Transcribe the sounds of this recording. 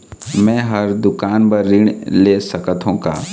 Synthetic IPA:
mɛ̃ːɦɐɾd̪ʊkaːnpɐɾːɪɳleːsɐkət̪ʰɦõka̰ː

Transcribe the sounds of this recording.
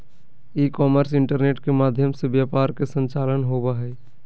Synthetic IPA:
iːkɔːməɾsɪ̃ɳʈəɾneːʈkemaːd̪ʱjəmseʋjaːpaːɾkesə̃nt͡ʃaːlənɦoːbaɦɛː

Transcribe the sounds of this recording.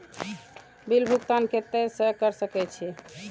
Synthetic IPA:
bilbʱukt̪anket̪ed͡ʒsəkəɾsəkɛt͡ʃʰi

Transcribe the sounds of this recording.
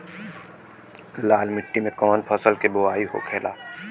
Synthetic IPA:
laːlmɪʈːimẽkɔːnpʰəsəlkeboaːiɦo̰kʰeːlaː

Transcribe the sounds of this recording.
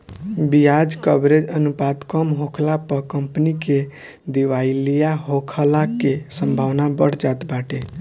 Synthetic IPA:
biad͡ʒkəbɾed͡ʒənupad̪kɔmɦokʰlapəkəmpnike | d̪iʋailijaɦokʰəlakesəmbʱaʋnabəɽ̤d͡ʒat̪baʈe

